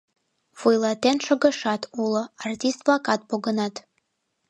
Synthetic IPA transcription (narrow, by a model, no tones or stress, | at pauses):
fujlˠɑt̪enʃə̆ɡə̆ʃɑt̪ʰulˠə̆ɑrt̪ʲist̪vlˠɑkɑt̪̚poɡənɑt̪